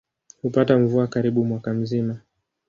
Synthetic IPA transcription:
hupatam̩vuakaɾiɓumwakam̩zima

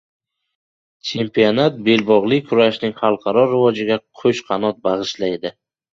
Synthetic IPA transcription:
t͡ʃʰe̞mpionat̪̚be̞lbɒʁlˠɪkʰʊɾaʃnɪŋχɑlˠqʰɑɾɒɾɪvɒd͡ʒɪɡʲaqʰɵt͡ʃqʰɑnɒt̪̚bɑʁɨʃlajd̪ɪ

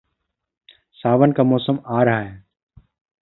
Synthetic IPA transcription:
saːʋənkaːmɔːsəmaːɾəɦaːɦeː

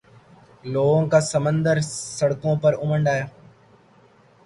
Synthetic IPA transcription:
loːɡõːkaːsəmənd̪əɾsəɽkõːpəɾʊməɳɖaːjaː

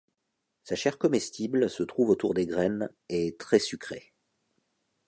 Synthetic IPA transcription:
saʃɛʁkɔmɛst̪ʰiblsət̪χuvot̪uʁd̪eɡʁɛnet̪χɛsykχe

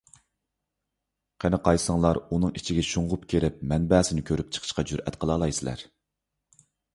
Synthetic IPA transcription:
qʰænɨqʰɑjsəŋlˠɑɾunɨŋit͡ʃʰiɡʲɛʃuɴʁʊpkʲʰeɾɪp̚mɛnbɛːsɪnɪkʲʰøɾypt͡ʃʰə̥qʰə̥ʃqɑd͡ʒyɾʔɛ̰t̪qʰəlˠɑːlˠɑjsɪlæ̰ɾ

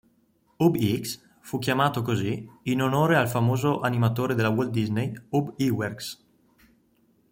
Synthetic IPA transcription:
ubiks | fukːjamaːt̪okoziinonoːɾealfamoːzoʔanimat̪oːɾed̪elːawold̪iznejubiwerks

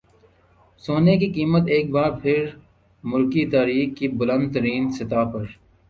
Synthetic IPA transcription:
soːnek̬ikiːmət̪eːk̚baːɾpʰɪɾ | mʊlkit̪aːɾiːxkibʊlə̃nd̪̚t̪əɾiːnsɪt̪aːpɐɾ

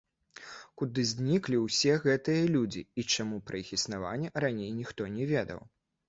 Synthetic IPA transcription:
kud̪ɨzʲnʲiklʲiwsʲɛɣɛt̪ɨjɐlʲud͡zʲiit͡ʂamupɾɐixisnava̰nʲːɛɾanʲejnʲixt̪ɔnʲɛvʲɛd̪ɐ̰w

